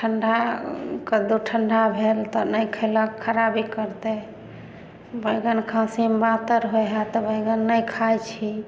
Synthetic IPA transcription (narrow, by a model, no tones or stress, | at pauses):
ʈʰəɳɖʱakəd̪uʈʰəɳɖʱabʱelt̪ɔnəjkʰələkʰːəɾabikəɾt̪e | bəjɡənkʰãsimbat̪əɾɦojɦat̪ɔbəjɡənːəjkʰajt͡ʃʰi